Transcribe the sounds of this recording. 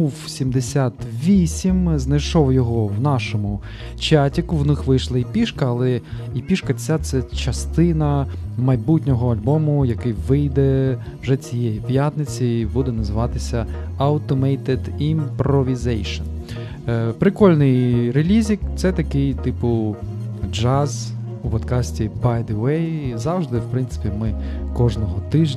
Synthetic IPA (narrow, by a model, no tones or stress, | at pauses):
uwsʲimd̪esʲat̪ʋʲisʲimznɐjʃɔwjɔɦɔwnɑʃɔmʊ | t͡ʃatʲikʊwnɪxʋɪjʃlˠɐipʲiʃkɐːlˠɛ | ipʲiʃkɐt͡sʲat̪sɛt͡ʃɐst̪ɪnɐmɐjbutʲnʲɔɦɔɐlʲbɔmʊjɐkɪjʋɪjd̪ɛʋʒɛt͡sʲijɛjipjat̪nɪt͡sʲibud̪ɛnɐzɪʋɑt̪ɪsʲɐɐwt̪ɔmɛjt̪ɛd̪impɾɔʋʲizɛjʃɔn | pɾɪkɔlʲnɪjɾelʲizʲikt̪sɛt̪ɐkɪjt̪ɪpʊ | d͡ʒɑz | upɔt̪kɑsʲtʲibajd̪ɪʋɛjzɑwʒd̪ɪwpɾɪntsɪ̥pʲimɪ | kɔʒnɔɦɔt̪ɪʒʲ